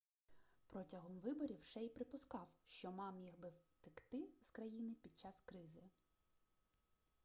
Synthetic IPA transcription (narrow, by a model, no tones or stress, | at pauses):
pɾɔtʲɐɦɔmʋɪbɔɾʲiwʃɛjpɾɪpʊskɑwʃt͡ʃɔmɑmjiɣbɪwt̪ɪkt̪ɪz̥kɾɐjinɪpʲid̪̚t͡ʃɑskɾɪzɪ